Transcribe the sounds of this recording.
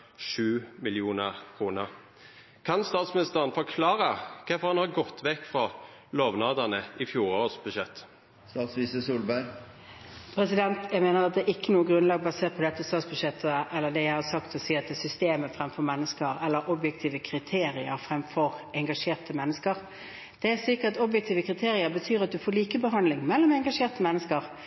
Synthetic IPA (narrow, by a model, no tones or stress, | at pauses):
ʃʉːmɪlɪuːnəʁkʰʁuːnəʁ | kʰɑnst̪ɑːt̪smɪnɪst̪əʁənfɔɾkʰlɑːɾəkʰɛfɔʁhɑnhɑɾɡɔt̪ʰːʋɛkːfɾɑ | loːʋnɑːd̪ənəɪfjuːɾoːsbʉd̪ʃɛt̪ː | st̪ɑːt̪sʋisəsuːlbæɾ | pʰɾɛsɪd̪ɛnt̪jæɪɡmeːnəɾɑt̪̚d̪ɛɪkːənuːəɡɾʁʉnlɑːɡ̚bɑseːt̪pʰɔd̪ɛt̪ːəst̪ɑːt̪sbʉd̪ʂɛt̪ʰːəɛlːəd̪ɛjæɪhɑsɑkt̪ɔsiːɑt̪ːɛsʏst̪eːməfʁɛmfɔɾmɛnːəskəɾɛlːəɾʔɔbjɛk̚t̪ʰiːʋəkʰɾɪt̪ʰeːɾɪəɾfɾʁɛmfɔʁʔɛŋɡɑʂeːʁt̪ʰəmɛnːəskəʁ | d̪̥ɛæsɪkəɾt̪ɔbjɛkt̪ʰiːʋəkʰʁɪt̪ʰeːɾɪəɾbət̪ʰyːɾɑt̪̚d̪ʉfoːɾliːkəbəɦɑnd̪lɪŋmɛlːɔmɛŋɡɑʂeːʁt̪əmɛnːəskəʁ